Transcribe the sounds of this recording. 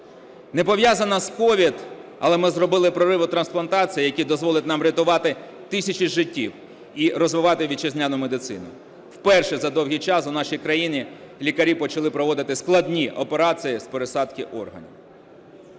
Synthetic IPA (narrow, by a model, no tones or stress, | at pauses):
nepɔʋjazɐnɐskɔʋʲid̪ɐ̰lˠɛmɪzrɔbɪlˠɪpɾɔɾɪʋʊt̪ɾɐnsplˠɐnt̪ɑt͡sʲijjɐkʲid̪ɔzʋɔlˠɪtʲnɑmɾʲɐt̪ʊʋɑt̪ɪ | t̪ɪsʲɐt͡ʃiʒɪtʲːiw | iɾɔzʋɪʋɑt̪ɪʋʲit͡ʃezʲnʲanʊmed̪ɪt̪sɪ̰nʊ̰ | wpɛrʃɛzɐd̪ɔwɦʲit͡ʃɑsʊnɑʃijkɾɐjinʲilʲikɐɾʲipɔt͡ʃɐlˠɪpɾɔʋɔd̪ɪt̪ɪsklˠɐd̪ʲnʲiʔɔpeɾɑt͡sʲijispeɾesɑd̪kɪʔɔ̰rɦɐ̰nʲḭw